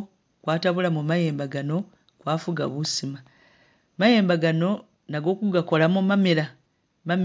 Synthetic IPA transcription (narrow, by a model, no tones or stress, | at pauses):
kwaːtaβulamumaje̞ːmbaɡano̞ | kwaːfuɡa̰βusima | maje̞ːmbaɡano̞ | naɡo̞ːkuɡako̞lamumamiɾa | mam